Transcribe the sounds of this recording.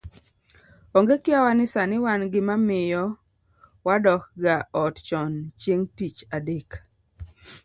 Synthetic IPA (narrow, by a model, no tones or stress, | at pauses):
oŋɡekɪawanɪsanɪwanɡɪmamɪjɔ | wadɔkɡaɔtt͡ʃɔnt͡ʃjeŋtit͡ʃadek